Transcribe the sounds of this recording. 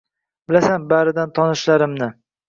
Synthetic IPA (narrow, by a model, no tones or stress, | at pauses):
bɪlasanbaɾɪd̪ant̪ʰɒnɪʃlaɾɪmnɪ